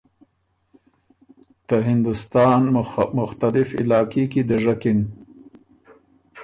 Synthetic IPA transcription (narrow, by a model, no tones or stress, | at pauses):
t̪əɦɪnd̪ʊst̪ɑːnmʊxt̪alɪfɪ̰lɑːkekid̪əʐakɪn